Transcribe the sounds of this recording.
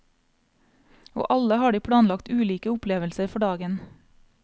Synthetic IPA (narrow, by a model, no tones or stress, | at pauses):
o̰ːʔɑləhɑːɖiːpʰɽɑːnlɑkt̪ʉːliːkəʊpleːʋəlsəɾfɔɖɑːɡən